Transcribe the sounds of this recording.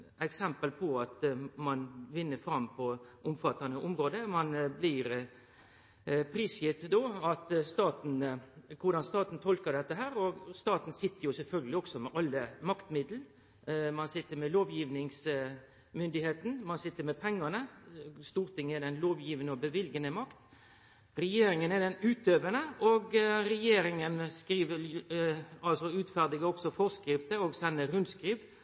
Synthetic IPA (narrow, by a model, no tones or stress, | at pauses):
ɛksɛmpəlpʰɔɑt̪mɑnʋɪnːəfɾɑmpʰɔʔʊmfɑt̪ːɑnəʔʊmɾoːd̪əmɑnblɪɾ | pʰɾiːsjɪt̪d̪oːɑt̪st̪ɑːt̪n̩kʰʊɖɑnst̪ɑːt̪n̩t̪ʰɔlkəd̪ɛt̪ːəɦæːɾɔst̪ɑːt̪n̩sɪt̪ːəɾjʊsɛlfœlɡəlɪɔksɔmɛʔɑlːəmɑkt̪mɪd̪l̩ | mɑnsɪt̪ːəɾmɛloːʋjiːʋnɪŋs | mʏnd̪ɪheːt̪n̩mɑnsɪt̪ːəɾmɛpʰɛŋːɑnəst̪uːɾt̪ʰɪŋːəɛd̪ɛnloːʋjiːʋənəɔbəʋɪlɡənəmɑkt̪ | ɾɛjeːɾɪŋənɛd̪ɛnʉːt̪øːʋənəɔɡɾɛjeːɾɪŋənskɾiːʋə | ɑlsɔʉːt̪fæʁd̪ɪɡəɔksɔfɔʁskɾɪft̪əɔɡsɛnːəɾʉnd̪skɾiːʋ